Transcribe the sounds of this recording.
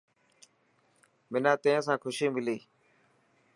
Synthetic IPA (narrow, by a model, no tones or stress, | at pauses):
mɪnãːt̪ẽːsãːkʰʊʃiːmɪliː